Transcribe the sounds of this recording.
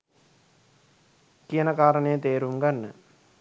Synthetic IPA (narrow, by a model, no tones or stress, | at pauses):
kijənɐkaːɾəɳejət̪eːɾumɡanːə